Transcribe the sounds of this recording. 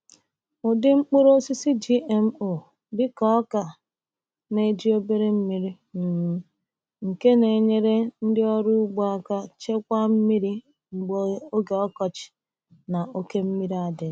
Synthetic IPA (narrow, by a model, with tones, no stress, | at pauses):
ʊ˨dɪ˦ŋ͡m̩˦k͡pʊ˦ɾo˦si˦si˦d͡ʒi˦ʔe˨m̩˦o˨ | dɪ˦kɔ˦ɔ˦ka˨ | ne˦˨˦d͡ʒi˦o˦be˦ɾe˦m̩˦mi˦ɾi˦ | m̩˨m̩˦ | ŋ̩˨ke˦ne˨ɲe˦ɾe˦n̩˦dɪ˦ɔ˦ɾʊ˦u˦ɡ͡bɔ˦a˦ka˦t͡ʃe˦kʷa˦m̩˦mi˦ɾi˦ | ŋ͡m̩˨ɡ͡bo˦o˦ɡe˨ɔ˦kɔ˨t͡ʃɪ̥˨ | na˨ʔo˦ke˦m̩˦mi˦ɾi˦a˨dɪ˨